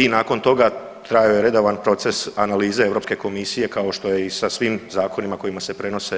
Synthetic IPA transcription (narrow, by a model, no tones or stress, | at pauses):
inaːko̞nt̪o̞ɡa | t̪ɾajojeɾe̞d̪o̞ʋanpɾo̞t̪se̞sanaliːzeeʋɾo̞pske̞ko̞misije̞kao̞ʃt̪o̞je̞isasʋimzaːko̞nimako̞jimase̞pɾe̞no̞se̞